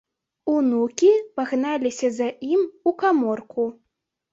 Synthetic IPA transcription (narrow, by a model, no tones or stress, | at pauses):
unukʲipaɣnalʲisʲɐzɐʔimukamɔrku